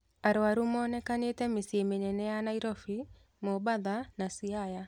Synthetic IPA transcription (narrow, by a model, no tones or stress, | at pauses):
aɾaɾumɔnɛkanetɛmesjemeɲɛnɛanaiɾɔfi | mɔbaðanasiaja